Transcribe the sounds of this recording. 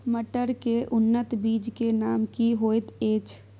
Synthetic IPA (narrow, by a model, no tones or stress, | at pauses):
məʈəɾkeʔʊnːət̪biːd͡ʒkenaːmkiɦoːet̪eːt͡ʃ